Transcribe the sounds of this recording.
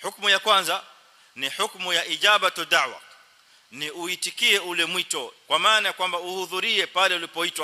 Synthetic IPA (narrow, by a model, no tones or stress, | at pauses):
ħukmujakwanza | niħukmujaʔiʄaɓatɔdaʕwa̰ | niuitikiɛulɛmwitɔkwamaːnajakwambauhuðuɾiɛpalɛulipɔitwa